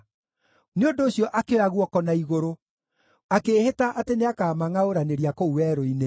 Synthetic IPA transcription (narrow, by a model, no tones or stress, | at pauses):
neondoːɕjɔʔakewaɣwɔkɔnaiɣoɾo | akeːhetaʔateneakaːmaŋaoɾaneɾiakouwɛɾoine